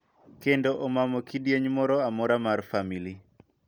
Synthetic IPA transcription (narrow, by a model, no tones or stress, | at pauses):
kendoʔɔmamɔkidjeɲmɔɾɔamɔɾamarfamili